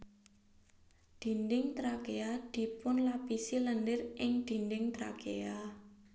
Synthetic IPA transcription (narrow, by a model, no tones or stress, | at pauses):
d̪̥i̤ndɪŋt̪ɾakead̪̥i̤pʊnlapisiləndɪrʔɪŋd̪̥i̤ndɪŋt̪ɾa̰kea